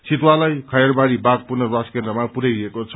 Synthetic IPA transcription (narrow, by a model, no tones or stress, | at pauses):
sit̪walajkʰajʌrbaɾibaɡ̚purnʌrwaskend̪rʌmapuɾajɾekot͡sʰʌ